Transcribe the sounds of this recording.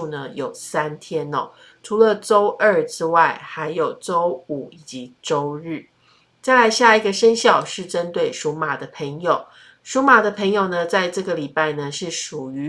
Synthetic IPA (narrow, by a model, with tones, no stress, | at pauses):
u˥˧nə˦jo˨˩ʊsa˦˥nt̪ʰjɛ˥nɔ̰˦ | ʈ͡ʂʰu˧˥lə˧ʈ͡ʂo˥ʊʔə˥˩ʈ͡ʂɻ̩˥wa˥˩ɪxa˧˥ɪjo˨˩ʊʈ͡ʂo˦˥ʊu˨˩˦i˨˩t͡ɕi˧˥ʈ͡ʂo˥ʊɻ̩˥˩ | t͡sa˥˩ɪla˧˥ɪɕja˥˩i˨˧˩ɡə˨ʂə˦˥nɕjɑ˥˩ʊʂɻ̩˥˩ʈ͡ʂə˦˥nt̪we˥˩ɪʂu˧˥ma˨˩d̪ə˦pʰə˧˥ŋjo˨˩ʊ | ʂu˧˥ma˨˩d̪ə˦pʰə˧˥ŋjo˨˩ʊnə˩t͡sa˥˧ɪʈ͡ʂɤ˥˩ɡə˩li˨˩pa˥˩ɪnə˩ʂɻ̩˥˩ʂu˨˩y˨˦